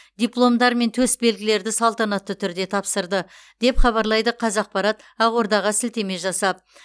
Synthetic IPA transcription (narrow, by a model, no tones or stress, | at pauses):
d̪ʲijplˠo̞md̪ɑɾme̞nt̪ʰɵsbe̞lɡʲɪle̞ɾd̪ɪsɑlˠt̪ɑnɑt̪ːət̪ʰʏɾd̪e̞t̪ʰɑpsəɾd̪ə | d̪̥e̞pχɑβɑɾlˠɑjd̪əqʰɑzɑq̚pɑɾɑt̪ | ɑʁwo̞ɾd̪ɑʁɑsɪlt̪e̞me̞ʒɑsɑp̚